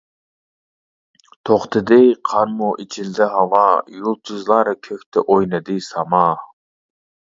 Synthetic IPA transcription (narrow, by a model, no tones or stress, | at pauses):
t̪ʰoχt̪ʰɨd̪ɪqʰɑɾmuʔit͡ʃʰild̪ɪɦɑvɑjulˠt̪ʰyzlˠɑɾkʲʰøkʲt̪ʰɛʔojnɨd̪ɨsɑmɑ